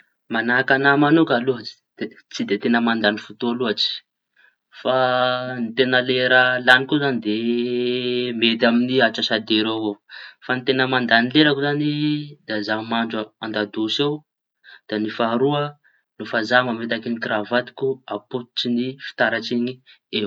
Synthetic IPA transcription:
manakanamanukaluɦai̥d̪̥e | t͡sid̪et̪enəmand̪anifut̪ualuɦaʈ͡ʂi̥ | fanit̪enəleɾəlanikuzanid̪e | met̪aminiaʈ͡ʂasad̪eɾoɦofant̪enəmand̪anileɾəkuzanid̪̥azamaɳd͡ʒaand̪ad̪usew | d̪̥anifaɾuə | lofazamamet̪akinikɾavat̪i̥kʲuaput̪u̥t͡ʃinifi̥t̪aɾat͡siɲi | e

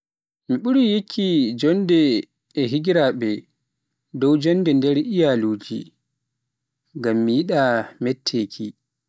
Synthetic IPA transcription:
miɓuɾijekʰːid͡ʒɔndɛː | ɦiɡiɾaɓɛ | dɔwd͡ʒɔndɛndɛɾijaluːd͡ʒḭ | ŋɡamːijiɗamɛtʰːekʰi

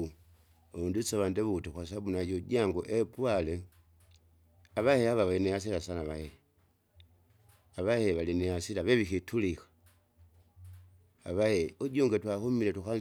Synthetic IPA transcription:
undusoβandeβutuxwas̬abunajoɟaŋɡoʔepwale | aβaheaβaβalinejas̬ilasanaβahe | aβaheβalinejasilaβeβixitʰulixḁ | aβaheuɟoːŋɡetwahumiletuxa

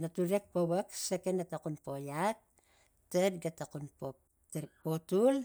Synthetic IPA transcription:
natuɾek̚powaksekenatakunpojak̚ | tedɡatakunpo | tepotul

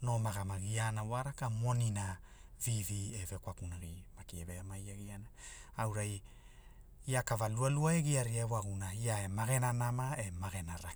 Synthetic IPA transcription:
no̞maɡamaɡianawaɾakamonina | vivieve̞kwakunaɡimakieveamajaɡianaawɾaj | iakavalualuaeɡiaɾiawaɡunaiae̞maɡe̞nanamae̞maɡe̞naɾa

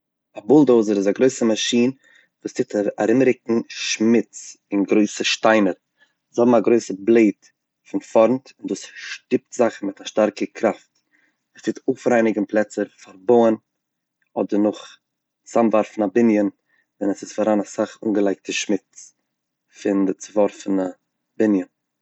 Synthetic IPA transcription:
abʊlˠdoʊzəɾɪzaɡɾoɪsəmaʃiːn | vuːstʰɪtʰaɾɪmɾɪk̚ŋ̩ʃmɪt͡s | ɪnɡɾoɪsəʃtaɪnəɾ | shɔbm̩aɡɾoɪsəblˠeɪt | fɪnfɔɾntɪnduːsʃtɪp̚tz̥aχmɪtaʃtaɾkəkʰɾaft | əst͡sʰɪtʰoːfɾaɪnɪɡ̩plˠɛt͡səɾfaɾboən | ɔdəɾnʊχ | samvaɾfn̩abɪnjən | vɛnəsɪsfaɾanasaχṵnɡəlˠaɪk̚təʃmɪt͡s | fɪndət͡sɪvɔɾfn̩a | bɪnjən

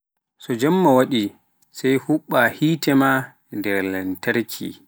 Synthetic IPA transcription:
sɔd͡ʒamːawaɗi | sajhuɓːahiːtɛma | ndɛɾlɛntaɾkʰḭ

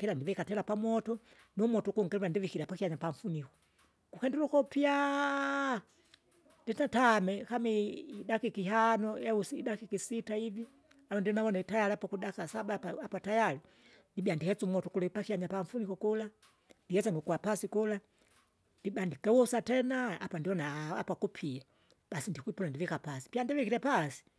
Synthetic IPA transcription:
kɛlandivɛkatɛlapamwɔtɔ | numɔtɔkuŋɡɛlɾandivikilapakiaɲapaɱ̩funikɔ̥ | kukɛndɛlukɔpia | ndɛtatamɛkamiidakikiɦanɔjausidakikisitaivi | alɔndiɔnaβɔnaitajaliapakudakasabapaapatajali | ndibiandihɛt͡sumɔtukulaipakiaɲapaɱfunikɔkula | ndihɛt͡saŋɡikuwapasikula | ndibandikɛusatɛnaapandiɔnaa̰pakupʰia | b̥asindikuipɔnandivikapasi̥pjandivikiɾɛpasi̥

